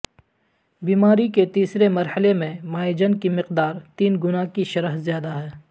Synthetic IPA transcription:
biːmaːɾiket̪iːsɾemɐɾhəlemẽmaːed͡ʒənkimɪqd̪aːɾt̪iːnɡʊnakiʃɐɾəɦzjaːd̪aɦɛː

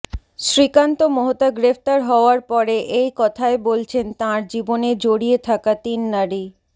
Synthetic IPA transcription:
ʃɾikant̪omoɦot̪aɡɾef̚t̪aɾɦɔoaɾpɔɾeʔejkɔt̪ʰaebolt͡ɕʰent̪ãɾd͡ʑiboned͡ʑoɽiet̪ʰakat̪inːaɾi

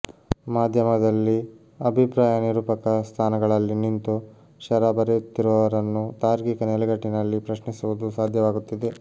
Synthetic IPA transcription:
maːd̪ʱjɐmɐd̪ɐlːi | ɐbʱipɾaːjɐniɾuːpɐkɐst̪ʰaːnɐɡɐɭɐlːinint̪u | ʃɐɾaːbɐɾet̪ːiɾuʋɐʋɐɾɐnːut̪aːɾɡikɐnɛlɛɡɐʈːinɐlːipɾɐʃnisuʋud̪usaːd̪ʱjɐʋaːɡut̪ːid̪e

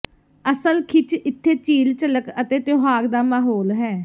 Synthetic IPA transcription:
əsəlkʰɪt͡ʃɪt̪ʰːeːt͡ʃiːlt͡ʃələkət̪eːt̪joɦaːɡd̪aːmaːɦoːlɦɛː

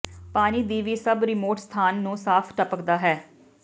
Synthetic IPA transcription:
paːniːd̪iːʋiːsəbɾɪmoːʈst̪ʰaːnːũːsaːpʰʈəpəkd̪aːɦɛː

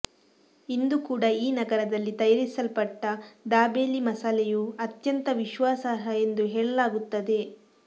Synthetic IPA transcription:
ind̪ukuːɽɐiːnɐɡɐɾɐd̪ɐlːit̪ɐjɐɾisɐlpɐʈːɐd̪aːbeːlimɐsalɛjuɐt̪jɐnt̪ɐʋiʃʋaːsaːɦɐend̪uɦeːɭɐlaːɡut̪ːɐd̪e̞

